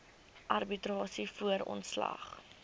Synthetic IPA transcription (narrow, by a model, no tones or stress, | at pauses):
ʔɐrbitɾɑːsifuəɾɔ̰ntslɐ̰χ